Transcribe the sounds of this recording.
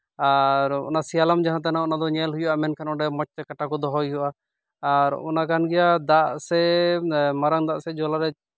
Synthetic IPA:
aɾɔ̰nasialamd͡ʒaɦãt̪̬anaɔnad̪ɔɲɛlɦujuʔamɛnkʰanɔɖɛmɔt͡ʃt̪ɛkaʈakɔd̪ɔɦɔjɦuwʔaː | ɾɔ̰nakanɡɛjad̪aʔsɛ | maɾaŋd̪aʔsɛd͡ʒɔlaɾɛ

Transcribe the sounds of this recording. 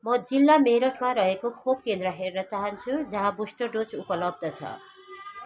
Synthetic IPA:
mʌd͡zilːameɾʌʈʰmaɾʌɦekokʰop̚kend̪rʌɦernʌt͡saɦʌnt͡sʰud͡zʌɦãbusʈʌɖot͡supʌlʌb̚d̪ʌt͡sʰʌ̰

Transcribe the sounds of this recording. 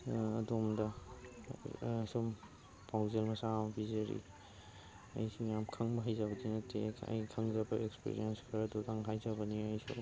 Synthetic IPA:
ɐdomdɐ | som | pawzelmɐsambizɐɾḭ | ɐ̰jsijamkʰɐŋbɐɦajzabɐdinɐtekʰɐ̰jkʰɐŋzabɐʔekspḭɾḭjenskʰɐɾadɔdaŋɦajzabɐniajso̰

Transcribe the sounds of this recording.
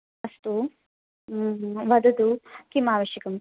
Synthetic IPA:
ɐst̪u | ʋɐd̪ɐd̪ukimaːʋɐʃjɐkɐm

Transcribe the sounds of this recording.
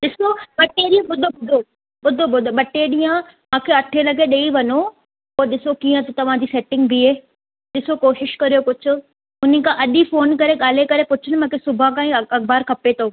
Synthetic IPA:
ɗɪsoɓɐʈeɗĩɐ̃ɓʊd̪ʱobʊd̪ʱo | ɓʊd̪ʱoɓʊd̪ʱoɓɐʈːeɗiːə̃ | mãːkʰeɐʈʰelɐɡʱeɗeːiʋɐno | oːɗɪsokiːə̃t̪t̪ɐʋ̤ãd͡ʑiːseːʈɪ̃ŋɡbʱiɦeː | ɗɪsokoːʃɪʃkɐɾijokʊd͡ʑʱʰʊ̆ | ʊnəkʰãʔɐɗifoːnkɐɾeɠaːl̤ekɐɾepʊt͡ɕʰʊnɪmãːkʰesʊbʱãkãːĩɐkbaːɾkʰɐpet̪ʰoː

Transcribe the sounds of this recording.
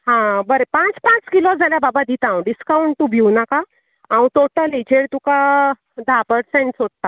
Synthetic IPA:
ɦãbəɾepãt͡spãt͡skilod͡zʱaljababad̪it̪ãw̃ɖiskawɳʈ̚t̪ubʱiwnakaː | wũt̪oʈəlid͡ʑeɽt̪uka | d̪ʱapəɽsẽɳʈsoɽ̚t̪a

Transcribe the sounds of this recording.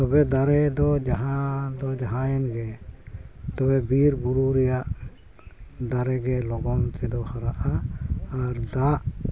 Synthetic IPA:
t̪ɔbɛd̪aɾɛd̪ɔd͡ʒaɦãd̪ɔd͡ʒaɦãjɛnɡɛ | t̪ɔbɛbiɾbuɾuɾɛjaʔ | d̪aɾɛɡɛlɔɡɔnt̪ɛd̪ɔhaɾaʔaː | ɾd̪aʔ

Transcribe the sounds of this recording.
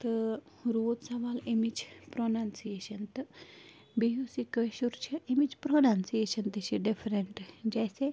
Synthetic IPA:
t̪ɨ | ɾoːd̪sɐʋaːlɪmid͡ʒpɾoːnaːnsieːʃənt̪ɨ | bijusikəʃuɾt͡ʃʰəɪmid͡ʒpɾoːnaːnsieːʃənt̪iʃiɖɪpʰɾeɳʈd͡ʒɛːse

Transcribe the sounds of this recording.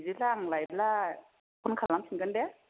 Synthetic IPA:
zilaŋlajla | kʰɔnkʰalːaŋsʰinɡɯndɛ

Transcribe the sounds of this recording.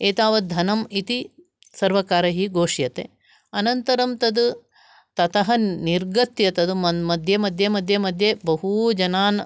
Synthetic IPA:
eːt̪aːʋɐd̪ʱɐnɐmit̪i | sɐɾʋɐkaːɾɐɦiɡoːʂjɐt̪ḛ | ɐnɐnt̪ɐɾɐmt̪ɐd̪u | t̪ɐt̪ʰɐɦɐniɾɡɐt̪jɐt̪ɐd̪umɐmɐd̪ʱjɐmɐd̪ʱjɐmɐd̪ʱjɐmɐd̪ʱjebɐɦud͡ʒɐnaːn

